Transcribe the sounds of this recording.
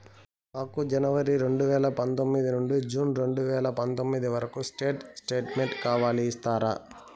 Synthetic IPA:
naːkud͡ʒɐnɐʋɐɾiɾe̞ɳɖuʋɛːlɐpɐnt̪o̞mːid̪inuɳɖid͡ʒuːnɾe̞ɳɖuʋɛːlɐpɐnt̪omːid̪iʋɐɾɐkusʈeːʈsʈeːʈmeɳʈkaːʋaːliːst̪aːɾa̰

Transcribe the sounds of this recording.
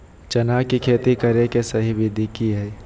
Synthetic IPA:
t͡ʃɐnaːkikʰeːt̪ikɐɾekesɐɦibʱɪd̪ʱikiɦɛː

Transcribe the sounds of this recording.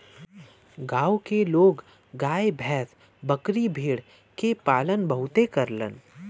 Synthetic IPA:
ɡaːwkeloːɡ | ɡaːjebʱɛːs | bəkɾibʱiːɽ | kepaːlənbəɦʊt̪ekəɾlə̰n

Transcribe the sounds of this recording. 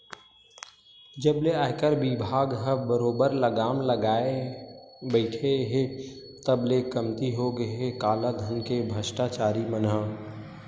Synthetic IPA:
d͡ʒəbleaːkəɾbibʱaːɡɦəbəɾoːbəɾləɡaːmləɡaːe | bəɪʈʰeɦet̪əblekəmt̪iɦoɡəeɦekaːlaɡʱənkebʱəsʈat͡ʃaːɾimənɦə

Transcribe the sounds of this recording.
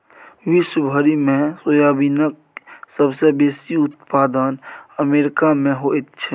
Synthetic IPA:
ʋɪʃwəbʱəɾimẽsoːjabinək | səbsebeːsiʊt̪̚paːd̪ənəmeːɾɪkamẽɦoet̪t͡ʃʰɛ

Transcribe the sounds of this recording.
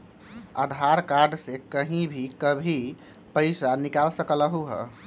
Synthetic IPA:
ə̰d̪ʱaɾkaɾɖsekəɦĩbʱikəbʱi | pəɪsanikalsəkələɦuɦə̰

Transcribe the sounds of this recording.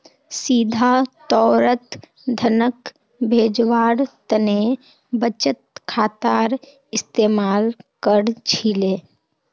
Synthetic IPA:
siːd̪ʱat̪ɔːɾət̪ | d̪ʱənək | bʱeːd͡ʒwaːɾt̪əne | bət͡ʃət̪̚kʰaːt̪aːɾ | ɪst̪eːmaːlkəɾt͡ʃʰileː

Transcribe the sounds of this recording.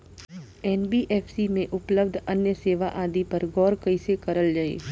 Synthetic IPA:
ɛːnbiːʔeːfʰsimẽʔʊpləbd̪ʱɐnjəseːʋaʔaːd̪ipɐɾɡɔːɾkɐisekɐɾəld͡ʒaːḛː

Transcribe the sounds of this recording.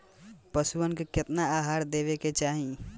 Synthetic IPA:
pəsuənkekɪt̪naaːɦaːɾd̪eːʋeket͡ʃaːɦĩ

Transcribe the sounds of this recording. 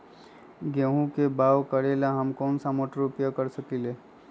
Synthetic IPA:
ɡeɦũkebaːʋkəɾelaɦəmkɔːnsamoʈɾupjakəɾsəkile

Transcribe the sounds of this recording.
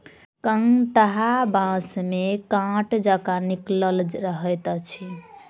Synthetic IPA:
kəŋʈ̪əɦabãsmekãʈd͡ʒakanikləlɾəɦət̪t͡ʃʰi

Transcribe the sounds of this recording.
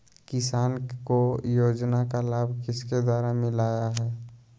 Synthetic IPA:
kɪsaːnkojoːd͡ʒnakalaːbʱkɪsked̪waːɾamɪ̃laːjaɦɛː

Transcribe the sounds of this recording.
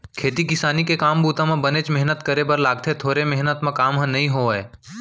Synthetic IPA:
kʰeːt̪ikɪsaːnikekaːmbuːt̪ãmẽbənet͡ʃmɛɦnət̪kəɾebəɾlaːɡ̚t̪ʰet̪ʰoːɾemɛɦnət̪mẽkaːmɦə̃nɐɦĩɦoe

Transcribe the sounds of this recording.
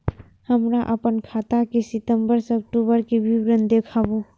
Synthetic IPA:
həmɾaʔəpənkʰaːt̪akesɪt̪əmbəɾsək̚ʈubəɾkebʱibɾənd̪ekʰabo

